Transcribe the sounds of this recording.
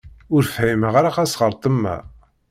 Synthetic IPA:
ʊɾfhiməʁaɾaqæsʁəɾt̪ˤəmːæ̰

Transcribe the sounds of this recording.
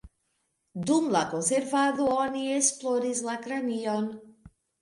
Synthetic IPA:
d̪umlakonseɾvaðuɔniesplɔɾizlakɾaniɔn

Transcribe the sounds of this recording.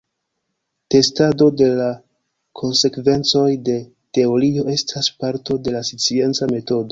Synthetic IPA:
te̞stado̞de̞la | kʰo̞nse̞kve̞nt͡so̞jde̞ | te̞o̞ɾio̞ʔe̞stʰaspaɾto̞de̞lasit͡sie̞nt͡same̞to̞do̞

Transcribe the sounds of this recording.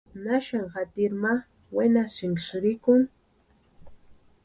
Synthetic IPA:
naʃaŋɢat̪ɪɾma | wenasɪŋksɾɪkʊŋ

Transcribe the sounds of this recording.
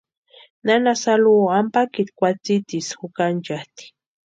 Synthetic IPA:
nanasaluampakit̪kʷat͡sit̪isxukant͡ʃaht̪i̥

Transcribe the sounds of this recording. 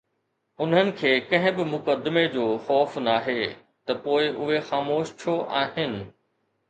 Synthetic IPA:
ʊn̤ənɪ̆kʰeːkɐ̃ɦɪ̃bɪmʊkəd̪med͡ʑoːxɔːfnaːɦeː | t̪ɐpoːɪʔʊɦexaːmoːʃt͡ɕʰjoʔaːɦɪnɪ̆

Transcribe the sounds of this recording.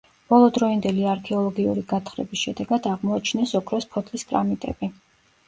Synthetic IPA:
b̥ɔlˠɔd̪ɾɔind̪ɛliaaɾkʰɛɔlˠɔɡiṵɾiɡat̪ʰχɾɛ̰bisʃɛd̪ɛɡad̪aʁmɔat͡ʃʰnɛsɔkʰɾɔspʰɔt̪ʰliskʼɾa̰mit̪ʼɛ̰bi

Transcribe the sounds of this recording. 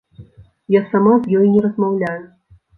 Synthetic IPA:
jasamazjɔjnʲɛɾɐzmawlʲajʊ

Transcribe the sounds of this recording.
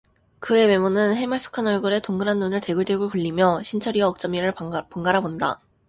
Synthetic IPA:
kɯe̞we̞munɯnɦe̞maɭs͈ɯ̥kʰanʌɭɡɯɾe̞toŋɡɯɾanːunɯɭte̞ɡɯɭteɡuɭpuʎːimjʌɕʰint͡ɕʰʌɾiʌːk̚t͡ɕ͈ʌmiɾɯɭpoŋɡaɾabonda̰

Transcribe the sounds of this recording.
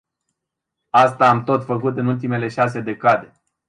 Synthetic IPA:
ast̪aːmt̪o̞t̪fəkut̪ɨnult̪ime̞le̞ʃas̬e̞d̪e̞kad̪e̞

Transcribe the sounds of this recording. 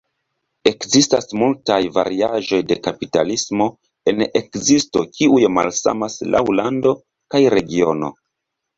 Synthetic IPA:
e̞kzista̰smultajva̰ɾiaʒo̞jde̞kapita̰lismo̞ | e̞nekzisto̞kʰiujma̰lsa̰maslʔa̰wlando̞ | kajɾe̞ɡio̞no̞̰

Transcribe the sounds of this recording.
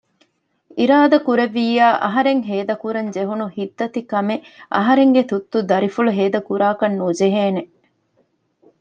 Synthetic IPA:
iɾaːd̪ɐkuɾeʋːiːaːʔɐ̰ɦɐɾeŋɦeːd̪ɐkuɾɐnd͡ʒeɦunuhid̪ːɐt̪ikɐmeʔɐ̰ɦɐɾeŋɡet̪ut̪ːud̪ɐɾifuluɦeːd̪ɐkuɾaːkɐnːud͡ʒeɦeːne

